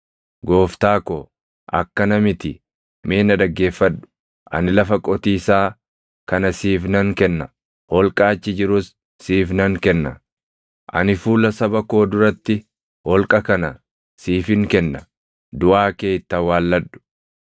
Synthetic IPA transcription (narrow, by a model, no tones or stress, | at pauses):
ɡoːft̪aːkoː | ʔɐ̰kːɐnɐmɪt̪ɪ̰ | meːnɐd̪ɐɡːe̞ːfːɐᶑʊ̥ | ʔɐ̰nɪlɐfɐkʼɔt̪iːsaː | kɐnɐsiːfnɐŋkɛnːɐ | hɔlkʼaːt͡ʃːɪd͡ʒɪɾʊsː | iːfnɐŋkɛnːɐ | ʔɐ̰nɪfuːlɐsɐbɐko̞ːd̪ʊɾɐt̪ːɪ | hɔlkʼɐkɐnɐ | siːfɪŋkɛnːɐ | d̪ʊʔaːkeːt̪ːɐwaːlːɐᶑːʊ̥